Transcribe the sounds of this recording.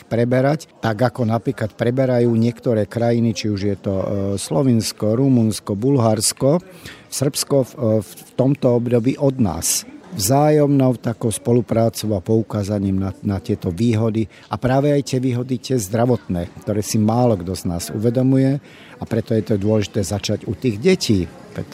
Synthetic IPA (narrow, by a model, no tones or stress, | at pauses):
pɾɛbɛɾact̪aɡakɔnapɾiːklat̪pɾɛbɛɾajuːɲɪɛkt̪ɔɾɛːkɾajinit͡ʃiuʒjɛt̪ɔslɔʋinskɔɾumunskɔbulɦaɾskɔsr̩pskɔt̪ɔmt̪ɔɔbd̪ɔbiːʔɔd̪na̰ːsvzaːjɔmnɔʊt̪akɔʊspɔlupɾaːt͡sɔʊapɔukaːzaɲiːmnanat̪ɪɛt̪ɔʋiːɦɔd̪i | apɾaːʋɛajt̪ɪɛʋiːɦɔd̪it̪ɪɛzd̪ɾaʋɔt̪nɛːkt̪ɔɾɛːsimaːlɔɡd̪ɔznaːzṵʋɛd̪ɔmujɛ | apɾɛt̪ɔjɛt̪ɔd̪ʊɔlɛʒit̪ɛːzat͡ʃaɟut̪iːɣɟɛciː | pɛ̰t̪